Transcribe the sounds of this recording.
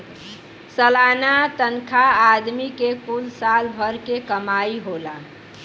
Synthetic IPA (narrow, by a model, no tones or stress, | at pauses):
səlanat̪ənkʰaːd̪mikekulsalbʱəɾkekəmaiɦola